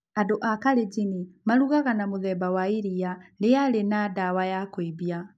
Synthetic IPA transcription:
adoʔakaɾed͡ʑinimaɾuɣaɣanamoðɛbawaiɾialeaɾenadawajakoiβia

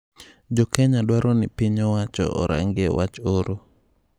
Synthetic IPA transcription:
d͡ʒɔkɛɲadwaɾɔnɪpɪɲɔwat͡ʃɔ̰ʔɔɾa̰ŋɡewʔa̰t͡ʃoɾo

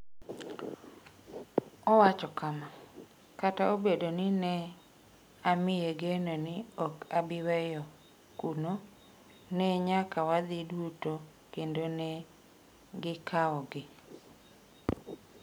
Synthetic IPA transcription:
ɔwat͡ʃɔkama | kataobedonɪnɛ | amɪjeɡenonɪɔkabɪwɛjɔ | kuno | nɛɲakawad̪ɪduto | kendone | ɡɪkʰaɔɡɪ

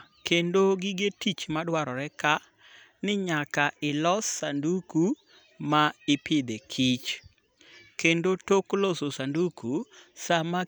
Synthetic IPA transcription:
kendoɡɪɡetit͡ʃmadwaɾɔɾɛka | nɪɲakaʔɪlɔsːanduku | maɪpɪd̪ekʰit͡ʃ | kendotoklososandukusama

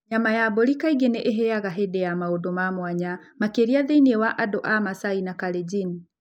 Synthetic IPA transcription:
ɲamajaboɾikaiɡeneʔeɦɛjaɣaɦɛdɛjamaodomamwaɲamakeɾiaðeiniewaʔadoʔamasainakaled͡ʒin

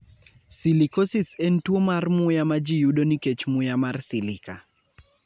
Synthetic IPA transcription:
silikosisentwomarmʊjamad͡ʒijuɗoniket͡ʃmʊjamarsilɪka̰

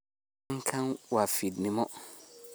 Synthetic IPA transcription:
ŋkʰãŋwafidnɪ̃mɔ

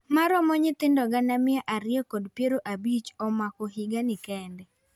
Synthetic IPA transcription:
maɾɔmɔɲɪt̪ɪndɔɡanamɪɛʔaɾɪjɔkɔdpjeɾoʔabit͡ʃɔmakɔɦɪɡanɪkɛndɛ

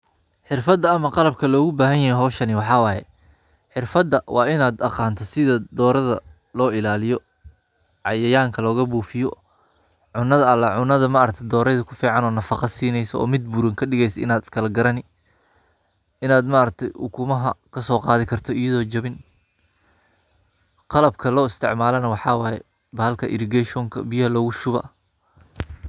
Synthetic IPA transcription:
ħɪrfɐd̪ːɐɐmɐqɑlɐb̚kʰɐlɔːɣʊbaːɦɐnjɐɦɛjɦɔːʃɐnɪwɑħɑːwɑːjɛ̰ | ħɪrfɐd̪ːɐwʔɑːɪnaːd̪ɑqɑːnt̪ʰɔsɪðɐd̪ɔːɾɐðɐ | lɔːɪlaːlɪjɔ | ʕɑjɐjaːŋkʰɐlɔːɣɐbuːfɪjɔ | ʕʊnːɐðɐːlːɐʕʊnɐðɐmɐɾɐk̚t̪ʰɛd̪ɔːɾɛjðɐkʰʊfiːʕɑnɔːnɐfɑqɑsiːnɛjsɔɔ̰ːmɪd̪̚buːɾɐŋkʰɐɖɪɣɛjsɔɪ̰naːd̪kʰɐlɐɡɐɾɐnɪ | ɪnaːd̪maɐɾɐk̚t̪ʰɛjʔʊ̰kʰʊmɐɦɐkʰɐsɔːqɑːðɪkʰɐrt̪ʰɔɪjɐðɔːt͡ʃɐβɪn | qɑlɐb̚kʰɐlɔːɪst̪ʰɪʕmaːlɐnɐwɑħɑːwɑːjɛ | bɐːɐlkʰɐʔɪɾɡɛʃɔːŋkʰɐ̰bɪjɐhɐlɔːɣʊʃʊβɐ̰

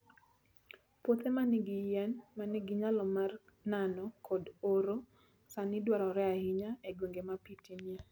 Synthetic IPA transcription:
pot̪emanɪɡɪjɛnmanɪɡɪɲalɔmar | nanɔkʰɔdoɾo | sanɪdwaɾɔɾɛahiɲaeɡwoŋɡemapitinia

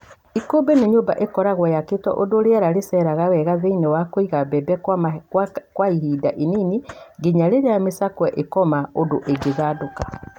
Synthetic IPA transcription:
ikoːbɛneɲobaʔekɔɾaɣwajaketwɔ̰ʔodoɾeɛɾaɾesɛɾaɣawɛɣaðeinɛwakoiɣabɛbɛk | kwaiɦidaʔininiɡeɲaɾeɾeamesakwɛʔekɔmaodoʔeɡeɣaːdoka

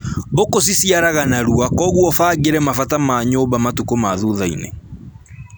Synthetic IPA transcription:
bokosisiaɾaɣanaɾuakɔɣwɔfaːɣeɾɛmafatamaɲoːbamatukomaðuðainḛ

